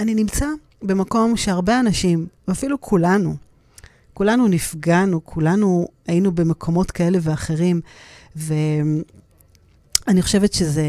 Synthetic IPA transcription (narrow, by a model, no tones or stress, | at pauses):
aninimt͡sa | be̞mako̞mʃeaʁbeanaʃimveafilukʰulanu | kulanunifɡanukʰulanu | ajinube̞mekʰo̞mo̞tkae̞le̞ve̞aχe̞ʁimve | aniχo̞ʃe̞vetʃe̞ze